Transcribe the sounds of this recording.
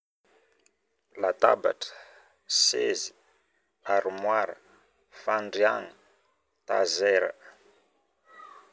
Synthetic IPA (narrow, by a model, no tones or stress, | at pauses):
lat̪a̰ba̰ʈ͡ʂə̥ | sezi | aɾimwaɾə | faɳɖ͡ʐiaŋi | t̪a̰zɛɾə̰